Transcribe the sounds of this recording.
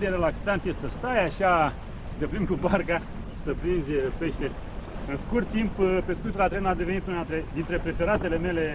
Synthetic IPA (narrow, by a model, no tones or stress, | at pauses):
d̪eɾelaksant̪jest̪səst̪ajaʃa | sət̪epɾimkubarɡa | ʃi̥səpɾinzʲpe̞ʃt̪e | ɨnskurt̪ːimppe̞skujt̪ulat̪ɾenad̪e̞ve̞nit̪unat̪ɾed̪int̪ɾe̞pɾe̞fe̞ɾat̪e̞le̞me̞le̞